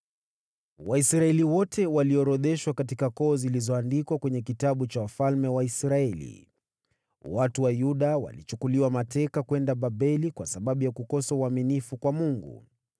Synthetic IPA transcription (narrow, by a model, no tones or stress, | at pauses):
waisɾaɛliwɔtʰɛwaliɔɾɔɗɛʃwakatikakɔːzilizɔandikwakwɛɲɛkitaɓut͡ʃawafalmɛwaisɾaɛlḭ | watuwajuɗawa̰lit͡ʃukuliwamatɛkakwɛndaɓaɓɛlikwasaɓaɓujakukɔsauaminifukwamuŋɡṵ